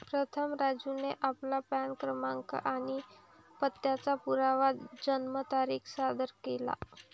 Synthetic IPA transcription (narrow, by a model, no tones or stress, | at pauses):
pɾət̪ʰəmɾad͡zuneʔaplapankɾəmaŋka̰ʔaɽ̃i | pət̪ːjat͡sapuɾaʋad͡ʑənmət̪aɾiːkʰsad̪əɾkela̰